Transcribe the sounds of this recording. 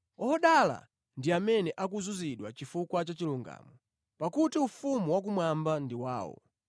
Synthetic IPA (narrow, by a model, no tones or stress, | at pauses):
ɔhɔɗala̰ | ndiamɛnɛʔak̬uzuziɗwa̰t͡ʃifukwat͡ʃat͡ʃiluŋɡa̰ːmɔ | pakutiufumuwak̬umwambandiwa̰ːwɔ̰